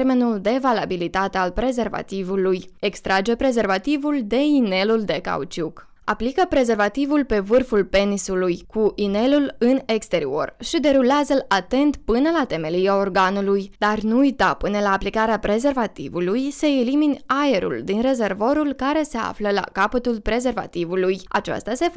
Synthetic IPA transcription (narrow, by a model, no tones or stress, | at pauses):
rme̞nuld̪e̞valabilit̪at̪e̞alpɾe̞ze̞rva̰t̪ivuluje̞kst̪ɾad͡ʒe̞pɾe̞ze̞rvat̪ivuld̪e̞ine̞luld̪e̞ka̰ut͡ʃuk | aplikəpɾe̞ze̞rvat̪ivulpe̞vɨrfulpe̞nisulujkuʔine̞lulɨne̞kst̪e̞ɾio̞̰rʃid̪e̞ɾuleazəlat̪e̞nt̪pɨnəlat̪e̞me̞liao̞rɡanulujd̪̥arnuujt̪apɨnəlaːplikaɾeapɾe̞ze̞rvat̪ḭvulujsəeliminae̞ɾṵld̪inre̞ze̞rvo̞ɾulkaɾe̞se̞a̰fləla̰kapət̪ulpɾe̞ze̞rva̰t̪ivuluja̰t͡ʃa̰st̪ase̞